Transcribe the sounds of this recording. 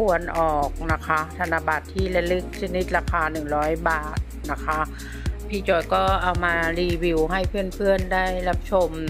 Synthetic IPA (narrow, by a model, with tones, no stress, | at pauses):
pʰu˧˩ənʔɔː˨˩k̚na˦˥kʰa˦˥t̪ʰa˧na˧˩ba˨˩t̪ʰːiː˥˩la˧lɯ˦˥k̚t͡ɕʰa˧˥ni˦˥t̪̚ɾaː˧kʰaː˧nɯ˨˩ŋɾɔː˦˥jbaː˨˩t̪̚na˦˥kʰa˦˥ | pʰiː˧˥˩t͡ɕɔː˧˩jkɔː˥˩ʔa˨˩wmaː˧liː˧bi˧wɦa˥˩jpʰɯ˥˩ənpʰɯ˥˩əndaː˥˩jla˦˥p̚t͡ɕʰo˧m